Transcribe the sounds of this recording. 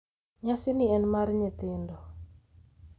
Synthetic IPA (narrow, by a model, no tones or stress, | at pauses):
ɲasɪnɪɛnmarɲɪt̪ɪndɔ